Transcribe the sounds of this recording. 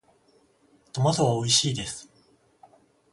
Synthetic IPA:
t̪omasoβao̞iɕiːd̪e̞sɨ̥

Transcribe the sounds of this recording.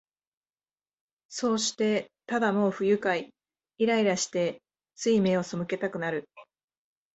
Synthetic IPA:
so̞ːɕi̥t̪e̞t̪ad̪amo̞ːɸɯ̟jɯ̟kai | iɾaiɾaɕi̥t̪e̞ | t͡sɨime̞o̞so̞mɯ̟ke̞t̪akɯ̟naɾɯ̟

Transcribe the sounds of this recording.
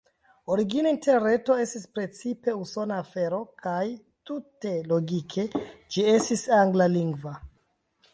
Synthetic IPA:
o̞ɾiɡinainte̞ɾe̞to̞e̞stispɾe̞t͡sipe̞uso̞naːfe̞ɾo̞kʰaj | tute̞lo̞ɡikʰe̞d͡ʒie̞stisaŋɡlaliŋɡva

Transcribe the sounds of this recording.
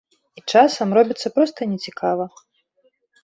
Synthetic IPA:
it͡ʂasɐmɾɔbʲit̪sːɐpɾɔst̪ɐnʲɛt͡sʲikʰavɐ

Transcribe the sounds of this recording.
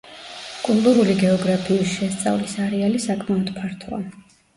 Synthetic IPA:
kʼulˠt̪ʼuɾuliɡɛɔɡɾapʰiːsʃɛst̪sʼa̰vlisaɾɛalisakʼmaɔd̪̥pʰaɾt̪ʰɔa̰

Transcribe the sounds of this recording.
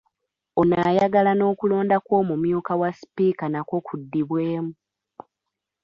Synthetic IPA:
onajaɡalano̞ːkulo̞ːndakwo̞ːmumjuːkawaspiːkanako̞kudːiβwe̞ːmu

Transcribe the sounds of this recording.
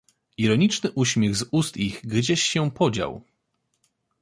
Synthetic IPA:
iɾɔɲit͡ʂnɘʔuɕmʲjɛɣzust̪iɣɡd͡ʑeɕːɛpɔd͡ʑa̰w

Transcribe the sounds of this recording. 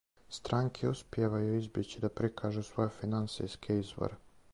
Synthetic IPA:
st̪ɾaːŋkʰeuspjeʋajuizbjet͡ɕid̪apɾikʰaːʒusʋo̞jefinansḭjskʰeizʋo̰ɾe

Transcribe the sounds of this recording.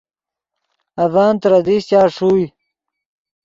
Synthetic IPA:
ɐvaːnt̪ɾɐd̪iɕt͡ɕaːʂuːj

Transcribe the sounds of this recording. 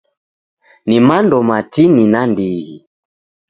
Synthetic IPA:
nimandɔmatininandiɣi

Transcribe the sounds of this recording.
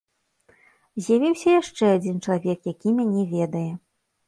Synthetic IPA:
zʲjavʲiwsʲɐjaʂt͡ʂɛad͡zʲint͡ʂɐlˠavʲɛkjakʲimʲanʲɛvʲɛd̪ɐjɛ

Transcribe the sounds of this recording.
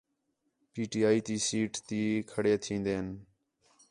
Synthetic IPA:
piːʈiːaːiːt̪iːsiːʈt̪iːkʰəɽeːt̪ʰĩːnd̪eːn

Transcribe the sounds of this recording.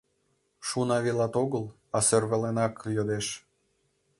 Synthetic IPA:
ʃunɑβilɑt̪oɣəlˠ | ɑservəlenɑkjod̪eʃ

